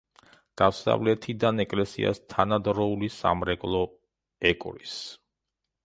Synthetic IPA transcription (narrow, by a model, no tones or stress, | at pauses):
ɡ̥afsa̰vlɛt̪ʰid̪anɛkʼlɛsḭa̰st̪ʰanad̪ɾɔulisa̰mɾɛkʼlˠɔ | ɛkʼɾis